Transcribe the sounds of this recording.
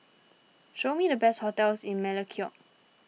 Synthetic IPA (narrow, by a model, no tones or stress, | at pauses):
ʃomidəbɛsthotɛlsɪ̃nmɛləkʰiɔʔ